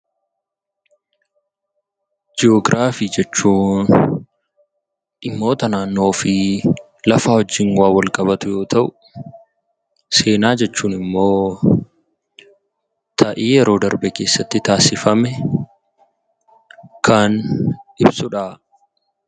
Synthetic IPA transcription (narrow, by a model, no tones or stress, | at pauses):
d͡ʒɪoːɡɾʔaːfiːd͡ʒɛt͡ʃːuːn | ᶑɪmːo̞ːt̪ɐnaːnːo̞ːfɪ | lɐfahɔd͡ʒɪnwaːwɐlkʼɐbɐt̪ʊjo̞ːt̪ʰɐʔʊ | se̞ːnaːd͡ʒɛt͡ʃːuːnɪmːo̞ː | t̪ʰɐʔiːjɛɾo̞ːd̪ɐɾbɛke̞ːsːɐt̪ːɪt̪aːsɪfɐmɛ | kʰɐnᶑɪbsʊᶑa